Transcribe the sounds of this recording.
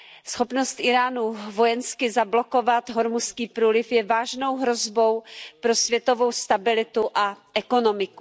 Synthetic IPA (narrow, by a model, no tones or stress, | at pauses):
sxopno̞st̪ʔɪɾaːnuvo̞jɛnskɪzablo̞ko̞vat̪ɦoɾmuskiːpɾuːlɪfjɛvaːʒno̞wɦɾo̞zbo̞wpɾo̞svjɛt̪o̞vo̞wst̪abɪlɪt̪uʔaʔɛko̞no̞mɪku